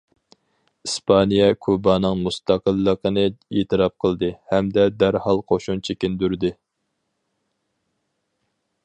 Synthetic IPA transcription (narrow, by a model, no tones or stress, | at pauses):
ispʰɑnijɛkʰubɑnɨŋmust̪ɑqəlˠːəqənɨet̪ʰɨɾɑp̚qʰəlˠd̪ɨhɛmd̪ɛd̪æɾhɑlˠqʰoʃunt͡ʃʰekʲind̪yɾd̪ɨ